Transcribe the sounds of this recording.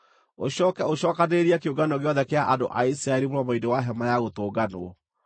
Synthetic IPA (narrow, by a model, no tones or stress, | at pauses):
o̰ɕɔːkɛoɕɔːkaneɾiakeoɡanɔɣeɔðɛkeaʔando̰ʔaisɾaɛɾimoɾɔmaidewaɦɛmajaɣotoːɡanoɔ